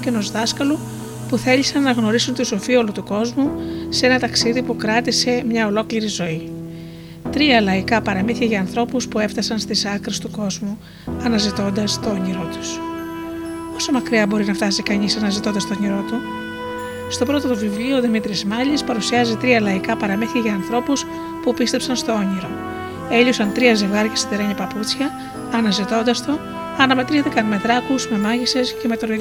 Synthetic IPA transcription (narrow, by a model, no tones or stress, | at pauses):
ceno̞zðɐskɐlo | puθe̞ʎisɐnnːɐɣno̞ɾisunt̪uso̞fio̞lut̪uko̞zmusee̞nɐt̪ɐksiðipukɾɐt̪ise̞mɲɐo̞lo̞kliɾizo̞i | t̪ɾiɐlɐikɐpɐɾɐmiθiɐʝɐːnθɾo̞puspue̞ft̪ɐsɐnst̪isɐkɾest̪uko̞zmu | ɐnɐzit̪o̞nd̪ɐst̪o̞ɲiɾo̞t̪u̥s | o̞so̞mɐkɾiɐbo̞ɾinɐft̪ɐsikɐɲisɐnɐzit̪o̞nd̪ɐst̪ooɲiɾo̞t̪u | st̪o̞pɾo̞t̪ot̪uvivliuoːðimit̪ɾizmɐʎlispɐɾusiɐzit̪ɾiɐlɐikɐpɐɾɐmeθi̥çiʝɐːnθɾo̞pus | pupist̪e̞psɐnst̪o̞o̞ɲiɾo̞ | e̞ʎosɐnt̪ɾiɐze̞vɣɐɾʝɐsit̪eɾɐɲɐpɐput͡sçɐː | nɐzit̪o̞nd̪ɐst̪o | ɐnɐme̞t̪ɾiθikɐnme̞ðɾɐkuzme̞mɐʝise̞sce̞met̪on